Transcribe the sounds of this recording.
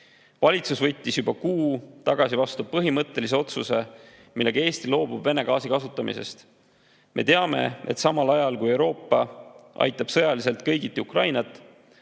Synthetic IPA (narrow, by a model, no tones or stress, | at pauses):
vɑlʲit̪susvɤt̪ʲːisjubɑkuːt̪ɑɡ̥ɑsivɑst̪upɤɦimɤt̪ˑːe̞lis̬e̞o̞t̪suse̞ | milːe̞ɡ̥ɑe̞ːst̪ilo̞ːb̥ub̥ve̞ne̞kɑːsikɑsut̪ːˑɑmḭse̞̰st̪ | mʔe̞̰t̪e̞ɑme̞̰e̞̰t̪sɑmɑlɑjɑlkuje̞wɾo̞ːpːɑʔɑ̰jt̪ːˑɑb̥sɤ̞jɑlis̬e̞lt̪kɤjɡit̪ːˑiukrɑjnɑt̪ːˑ